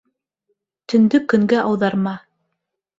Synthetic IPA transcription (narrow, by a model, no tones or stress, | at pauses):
t̪ɵ̆nd̪ɵkɵ̆ŋɡæʔɑwðɑɾmɑ